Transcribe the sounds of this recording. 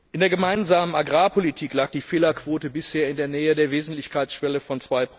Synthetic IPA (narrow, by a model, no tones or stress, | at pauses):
ʔɪndeːɐɡəmaɪnzaːmənaɡʁaːpʰolitʰiːklaːk̚d̥iːfeːlɐkv̥oːtəbɪsheːɐɪndeːɐnɛːədeːɐveːzn̩tlɪçkʰaɪt͡sʃv̥ɛləfɔnt͡sv̥aɪp